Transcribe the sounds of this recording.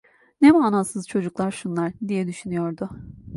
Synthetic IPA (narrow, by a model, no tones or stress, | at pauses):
nemaːnasɯzt͡ʃʰo̞d͡ʒuklˠaɾʃunlˠaɾd̪ijɛd̪yʃynyjo̞ɾd̪ʊ